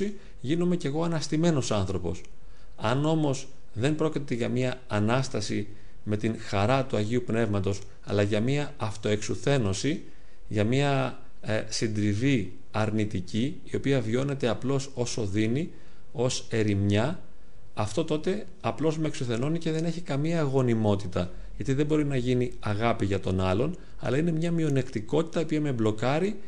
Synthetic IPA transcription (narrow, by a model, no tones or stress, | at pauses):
i | ʝino̞me̞ce̞ɣo̞ɐnɐst̪ime̞no̞sɐnθɾo̞po̞̰s | ɐno̞mo̞z | ðe̞mpɾo̞cit̪e̞ʝɐmiɐɐnɐst̪ɐsi | me̞t̪iŋxɐɾɐt̪uɐʝiupne̞vmɐt̪o̞s | ɐ̰lɐʝɐmiɐɐft̪o̞e̞ksuθe̞no̞si | ʝɐmiɐ | sind̪ɾivi | ɐɾnit̪ici | io̞piɐvio̞ne̞t̪e̞ɐplo̞so̞so̞ðini | o̞se̞ɾimɲɐː | ft̪o̞t̪o̞t̪e̞ | ɐplo̞zmeksuθe̞nonice̞ðe̞ne̞çikɐmiɐːɣo̞nimo̞t̪it̪ɐ | ʝɐt̪iðe̞bo̞ɾinɐʝini | ɐɣɐpiʝɐt̪o̞nɐlo̞n | ɐ̰lɐine̞mɲɐmio̞ne̞kt̪iko̞t̪i̥t̪ɐiopiɐme̞blo̞kɐɾi